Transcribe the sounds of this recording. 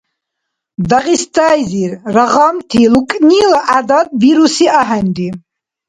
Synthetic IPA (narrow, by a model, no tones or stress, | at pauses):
d̪aʁist̪ʰʼajziɾɾaʁamt̪ʰilukʼnilaʔad̪ad̪̚biɾusiʔaɦɛnd̪i